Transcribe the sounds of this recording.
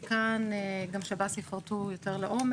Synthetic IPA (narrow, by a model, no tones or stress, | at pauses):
kanɡamʃabasifaʁtujoteʁleʔo̞m